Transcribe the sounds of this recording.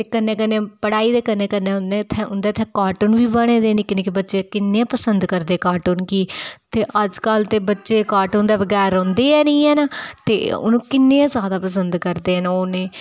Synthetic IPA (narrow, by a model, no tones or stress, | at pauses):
t̪eːkənːẽːkənẽːpəɽaːiːd̪eːkənːẽːkənːẽːʊnd̪eːt̪ʰːɛːʊnd̪eːt̪ʰɛ̃ːkaːʈunʋiːbəɽ̃ẽːd̪eːniːkɪneːkɪbətːʃeːkɪnːẽãpəsənd̪kəɾd̪eːkaːʈuːnkiːt̪eːʔəd͡ʒkəlt̪eːbətːʃeːkaːʈund̪aːʋəɡɛːɾõːnd̪eːɛːnĩːɛːnaːt̪ḛːʊ̰nũːkɪnːeːãzjaːd̪aːpəsənd̪kəɾd̪eːnoːnẽː